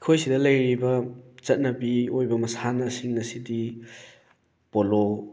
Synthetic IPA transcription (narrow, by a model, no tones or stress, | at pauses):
kʰojsidɐlɐjɾibɐt͡ʃɐt̚nɐbiojbɐmɐsanɐsiŋnɐsidi | polo